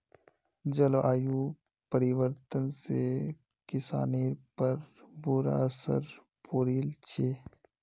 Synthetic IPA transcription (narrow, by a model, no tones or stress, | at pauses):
d͡ʒɐloʔaːjuː | pəɾiʋəɾt̪ənse | kɪsa̰ːneːɾpəɾbuːɾa̰əsə̰ɾ | poːɾiːlt͡ʃʰeː